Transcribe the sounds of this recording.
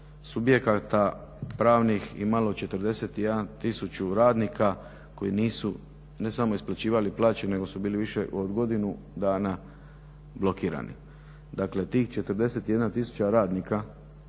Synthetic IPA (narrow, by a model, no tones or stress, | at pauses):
subje̞kat̪apɾaːʋniximalo̞t͡ʃe̞t̪əɾd̪e̞se̞t̪ije̞d̪ant̪isut͡ɕuɾaːd̪nikʰa | ko̞jḭniːsu | ne̞samo̞isplat͡ɕiːʋaliplˠaːt͡ɕene̞ɡo̞subiːliʋiʃe̞ʔod̪ɡo̞d̪inu | d̪aːna | blo̞kiːɾa̰nḭ | d̪akle̞t̪iːxt͡ʃe̞t̪əɾd̪e̞se̞t̪ijed̪nat̪isu̥t͡ɕaɾaːd̪nika